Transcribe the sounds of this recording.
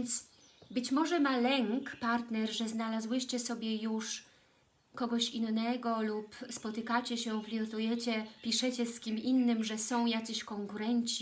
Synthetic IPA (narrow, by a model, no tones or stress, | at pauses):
nt̪s | bɘt͡ɕmɔʐɛmalɛŋkpaɾt̪nɛɾʐɛznalazwɘɕt͡ɕɛsɔbʲjɛjuʂ | kɔɡɔɕinːɛɡɔlupspɔt̪ɘkat͡ɕɛɕɛvlʲiɔt̪ujɛt͡ɕɛpʲiʂɛt͡ɕɛskʲiminːɘmʐɛsɔ̃w̃jat̪sɛɕkɔŋkuɾɛɲt͡ɕi